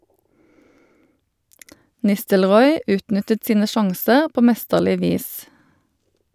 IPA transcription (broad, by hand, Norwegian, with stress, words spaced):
ˈnɪstəlˌʁɔʏ ˈʉːtˌnʏtət ˈsiːnə ˈʃɑŋsəʁ ˈpoː ˈmɛstəʁlɪ ˈʋiːs